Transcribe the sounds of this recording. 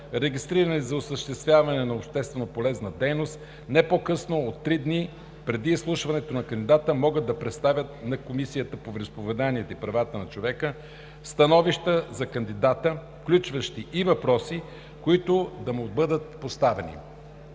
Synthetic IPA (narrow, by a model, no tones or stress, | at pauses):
ɾɛɡist̪ɾiɾənɛzɐosəʃt̪ɛst̪vʲjavɐnɛnɐopʃt̪ɛst̪vɛnopolɛznəd̪ɛjnost̪ | nɛpokɤsnoot̪ːɾid̪ni | pɾɛd̪islˠuʃvɐnɛt̪onɐkɐnd̪id̪at̪əmɔɡəd̪̚d̪ːɐpɾɛt̪st̪avʲət̪̚nɐkomisijət̪əpovɾɛspovɛd̪aniɛt̪ipɾɐvat̪ənɐt͡ʃovɛkə | st̪ɐnɔviʃt̪əzɐkɐnd̪id̪at̪əfklʲut͡ʃvəʃt̪iʔivɐpɾɔsi | koit̪ʊd̪ɐmobɤd̪ət̪̚post̪avɛnḭ